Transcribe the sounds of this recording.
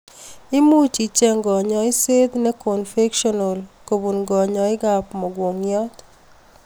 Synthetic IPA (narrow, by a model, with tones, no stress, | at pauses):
ɪ˦mu˦t͡ʃi˨t͡ʃɛ˦ŋɡɔ˨ɲɔ˨ɪ˦se˦d̪nɛ˦ko˨nfe˦kʃɔ˦nɔ˨lko˨bu˨nɡɔ˨ɲɔ˨ɪ˦ɡa˦pmɔ˨ɡwo˨ŋjɔ˦t̪